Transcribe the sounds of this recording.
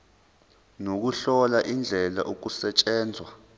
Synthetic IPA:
nok̬uɬɔlaʔind͡ɮʱɛla̰ʔok̬usɛt͡ʃʼɛːnd͡zʱwa

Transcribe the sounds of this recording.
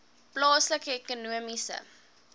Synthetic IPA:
plɑːsləkəɛkonuəmisə̰

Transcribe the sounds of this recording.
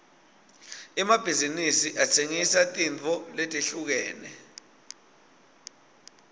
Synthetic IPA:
ɛmab̥ʱizinisiʔat͡sʰeŋisatʼint͡fʼɔletʼeɬuk̬ɛːnɛ

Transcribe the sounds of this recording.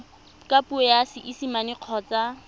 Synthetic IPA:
kʼapuɛjasɪʔisimanɪq͡χʰɔːt͡sa

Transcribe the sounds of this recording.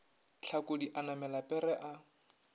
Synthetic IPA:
t͡ɬʰakodiʔanamɛlapʼɛɾɛʔa

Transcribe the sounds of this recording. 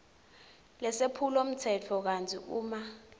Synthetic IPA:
lɛsepʰulom̩tʰɛtʰɔk̬antʰʼiuːma

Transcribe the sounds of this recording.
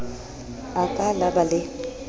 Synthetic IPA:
akʼalabalɪ

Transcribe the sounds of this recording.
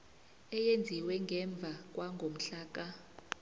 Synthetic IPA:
ɛjend͡zʱiwɛŋɡʱɛɱb̪vʱak̬ʼwaŋɡʱom̩ɬaːk̬a

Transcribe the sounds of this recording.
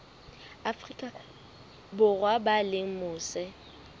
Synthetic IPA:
afrikʼa | bʊrwabalɪŋ̩mʊːsɛ

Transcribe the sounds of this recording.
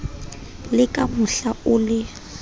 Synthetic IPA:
lɪkʼamʊɬaʊːlɪ

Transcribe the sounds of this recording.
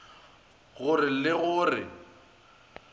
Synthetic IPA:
ɣʊrɪlɪɣʊːrɪ̰

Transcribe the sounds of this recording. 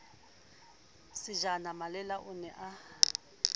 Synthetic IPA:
sɪʒanamalɛlaʔʊnɛʔa

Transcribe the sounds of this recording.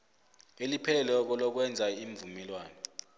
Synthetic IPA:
elipʰɛlɛk̬ɔlɔk̬wɛnd͡zʱaiɱvumɛlwaːnɔ

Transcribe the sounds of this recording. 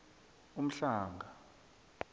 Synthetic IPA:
um̩ɬaːŋɡʱa

